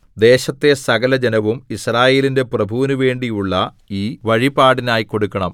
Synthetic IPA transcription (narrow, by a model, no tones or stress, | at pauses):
d̪e̞ːɕɐt̪ːe̞sɐɡɐlɐd͡ʑenɐʋumisraːje̞ːlinde̞prɐbʱuːnuʋe̞ːɳɖijuɭːɐ | iːʋɐɻibaːɽinaːjiko̞ɽukːɐɳɐm